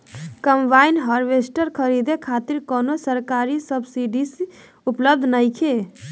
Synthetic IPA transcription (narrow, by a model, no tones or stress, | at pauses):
kəmbaɪnɦəɾʋesʈəɾkʰəɾid̪ekʰat̪iɾkɔnosəɾkaɾisəbsiɖis | upləb̚d̪ʱnəɪkʰe